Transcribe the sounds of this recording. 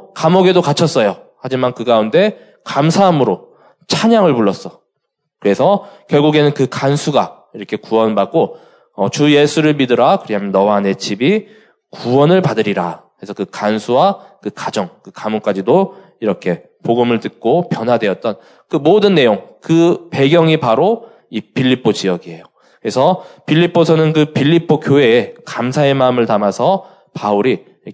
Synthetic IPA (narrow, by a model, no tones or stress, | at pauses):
kamoɡe̞dokat͡ɕʰʌs͈ʌjo | had͡ʑimankɯɡaunde̞ | kamsʰaɦamɯɾo | t͡ɕʰaɲaŋɯɭpuɭːʌs͈ʌ | kɯɾe̞sʰʌkjʌɭɡuɡe̞nɯnkɯkansʰuɡa | iɾʌkʰe̞kuwʌnbak͈o | ʌt͡ɕuje̞sʰuɾɯɭmidɯɾakɯɾiamjʌnːʌwane̞t͡ɕʰibi | kuwʌnɯɭpadɯɾiɾaɯɾe̞sʰʌkɯkansʰuwakɯkad͡ʑʌŋkɯkamuk͈ad͡ʑido | iɾʌkʰe̞ | poɡɯmɯɭtɯt̚k͈opjʌnɦwadwe̞ʌt̚t͈ʌn | kɯmodɯnːe̞joŋkɯpe̞ɡjʌŋipaɾo | ipʰiʎːip͈ʰod͡ʑiʌɡiɦe̞jo | kɯɾe̞sʰʌpʰiʎːipʰːosʰʌnɯnkɯpʰiʎːipʰokjoɦe̞ːkamsʰae̞maɯmɯɭtamasʰʌ | pauɾi